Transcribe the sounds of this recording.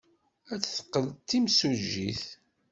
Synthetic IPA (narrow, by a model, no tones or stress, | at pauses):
æt͡sθə̥qːəlt̪ːimsuʒːiθ